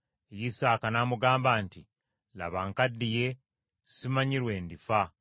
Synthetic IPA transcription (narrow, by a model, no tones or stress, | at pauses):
ejisaːkanaːmuɡaːmbaːnti | la̰βaŋkadːije̞ | simaɲiɾwe̞ːndifa